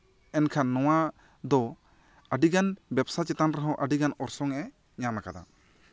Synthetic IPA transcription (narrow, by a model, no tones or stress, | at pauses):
ɛnkʰanːɔwa | d̪ɔ | əɖiɡanbɛbsat͡ʃɛt̪anɾɛɦɔ̃ʔəɖiɡanɔɾsɔŋɛ | ɲanakad̪a̰